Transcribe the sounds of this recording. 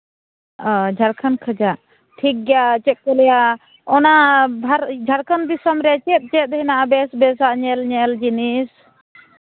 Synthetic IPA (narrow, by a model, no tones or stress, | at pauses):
əd͡ʒʱaɾkʰənkʰəd͡ʒaʔ | ʈʰik̚ɡjat͡ʃɛt̪̚kɔlɛja | ɔnabʱaɾd͡ʒʱaɾkʰənd̪isəmɾɛt͡ʃɛt̪̚t͡ʃɛt̪̚ɦinaʔabɛsbɛsaʔɲɛlɲɛld͡ʒinis